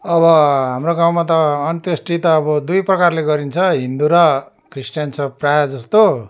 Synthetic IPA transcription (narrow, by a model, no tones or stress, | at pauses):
ʌβʌɦamroɡaw̃mat̪̬ʌːnt̪esʈit̪ʌːbʌd̪ujprʌkarleɡʌɾint͡sʰʌɦind̪uɾʌ | krisʈjant͡sʰʌprajʌd͡zʌst̪o